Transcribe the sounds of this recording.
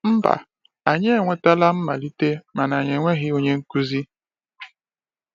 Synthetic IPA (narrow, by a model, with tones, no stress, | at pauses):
m̩˦ba̰˨ | a˨ɲe˦e˦˨ŋʷe˨ta˦la˦m̩˦ma˨li˦te˦ma˨na˨ɲe˨ŋʷe˦ɦɪ˦o˨ɲe˦ŋ̩˦ku˦zi˦